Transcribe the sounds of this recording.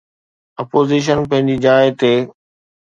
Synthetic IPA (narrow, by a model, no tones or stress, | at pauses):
ɐpoːziːʃ̬ənpɐ̃ɦɪ̃ɲd͡ʑid͡ʑaːɪt̪eː